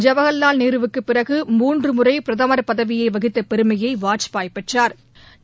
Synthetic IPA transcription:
d͡ʒɐʋɐɣɐlːaːlniːɾɯʋɯkːɯpːɪrɐɣɯmuːndrɯmʊrɐɪpɪɾɐðɐmɐɾpɐðɐʋɪjɐɪʋɐɣɪt̪ːɐpɛɾɯmɐjɐɪʋaːʈt͡ʃpaːjpːɛʈraːɾ

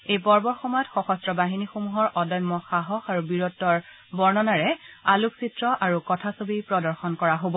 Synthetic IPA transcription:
ejpɔɹbɔɹxɔmɔjɔtxɔxɔstɹɔbaɦinixomuɦɔɹʔɔdɔjmːɔxaɦɔxaɹubiɹɔtːɔɹ | bɔɹnɔnaɹɛaluksitɹɔʔaɹukɔtʰasobipɹɔdɔɹxɔnkɔɹaɦobɔ

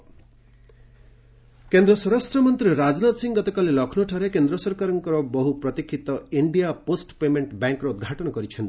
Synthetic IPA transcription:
kend̪ɾɔsɔɾasʈɾɔmɔnt̪ɾiɾad͡ʒnat̪siŋɡɔt̪ɔkalelɔkʰnuʈʰaɾekend̪ɾɔsɔɾkaɾɔŋkɔɾɔbɔɦupɾɔt̪ikʰːit̪ɔiɳɖijaposʈpemeɳʈbaŋkɔɾɔud̪̚ɡʱaʈɔnɔkɔɾit͡ʃʰɔnt̪i

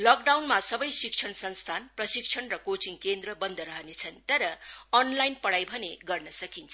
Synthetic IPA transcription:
lʌk̚ɖawnmasʌbʌjsikt͡sʰʌnsʌnst̪ʰanprʌsik̚t͡sʰʌnrʌkot͡sinkend̪rʌbʌnd̪ʱʌɾʌɦʌnet͡sʰʌnt̪ʌɾʌʌnlajnpʌɽajbʱʌneɡʌrnʌsʌkint͡sʰʌ

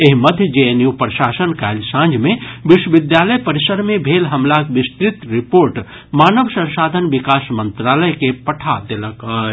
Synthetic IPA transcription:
eɦiməd̪ʱjəd͡ʒeenjupɾəʃasənkaɪlsãnd͡ʒʱmebiʃwəʋid̪jaləjpəɾisəɾmebʱelɦəmlakʋist̪ɾit̪ɾipoɾʈ | maːnəʋsə̃nsaːd̪ʱənʋikasmənt̪ɾaləjkepəʈʰad̪eləkə

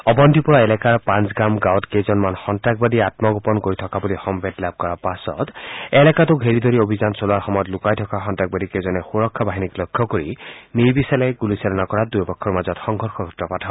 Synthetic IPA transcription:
ɔbɔndʱipɔɹaɛlɛkaɹpãnsɡɹamɡawɔtkejzɔnmanxɔntɹak̚badiatmɔɡɔpɔnkoɹitʰɔkabulixɔmbʱɛtlab̚kɔɹapasɔ̰tɛlɛkatʊɡʱeɹidʱoɹiobʱizansolʊaɹxɔmɔjɔtlʊkajtʰɔkaxɔntak̚badikezɔnɛxuɹɔkʰːɔbaɦiniklɔjkʰːɔkoɹinijbisɛlɛɡulisɛlɔnakɔɹadujpɔkʰːɔɹmazɔtxɔŋɡʱɔɹxɔɡʱutɹɔpatʰaɔ

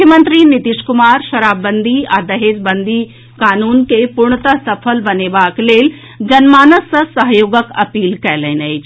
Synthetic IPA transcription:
jəmɐ̃nt̪ɾinɪt̪iʃkʊmaːɾʃɐɾaːbːə̃nd̪ʱiaːd̪ɐɦeːzbɐ̃nd̪ʱi | kaːnuːnkepʊɾɳ̃ət̪əsɐfʰəlʋɐneʋaːkleːl | d͡ʑɐnmaːnəsəsɐɦjoːɡəkɐpiːlkɐjlənɐi

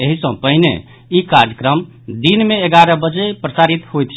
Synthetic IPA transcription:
eɦisə̃pəɦinḛ | ikaɾjəkɾəm | d̪inmeeɡaɾəbəd͡ʒepɾəsaɾit̪ɦojt̪t͡ʃʰ

